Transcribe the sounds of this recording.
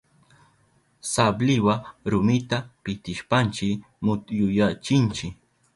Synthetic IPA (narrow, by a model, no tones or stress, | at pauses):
sablɪwaɾʊmɪt̪apɪt̪ɪʃpant͡ʃɪ | mʊtjʊjat͡ʃɪnt͡ʃɪ